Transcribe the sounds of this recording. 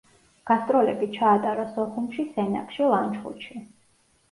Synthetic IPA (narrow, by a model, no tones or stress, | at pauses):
ɡ̥ast̪ʼɾɔlɛbit͡ʃʰaːt̪ʼaɾasɔχumʃisɛna̰kʰʼʃilˠant͡ʃχṵt̪ʃʰi